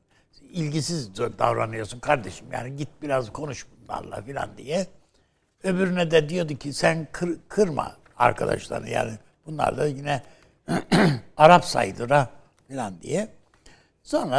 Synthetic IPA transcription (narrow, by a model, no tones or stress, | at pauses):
ilʲɟisizd̪avɾanɯjo̞sunkʰaɾd̪eʃɯmja̰ːniɟit̪̚biɾazkʰo̞nuʃbunlˠa̰ɾlˠa̰filʲa̰nd̪ijɛ | ø̞byɾynɛd̪ɛd̪ijo̞d̪ucʰisænkʰɯkʰɯɾma̰ | a̰ɾkʰad̪a̰ʃlˠa̰ɾɯ̰ja̰ːni | b̥unlˠa̰ɾlˠajinɛ | aɾapsa̰jd̪ɯɾa | filʲand̪ḭjɛ | so̞nɾa